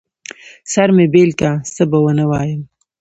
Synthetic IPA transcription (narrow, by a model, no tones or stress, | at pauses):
saɾmebeːlkasəbawənawɑːjəm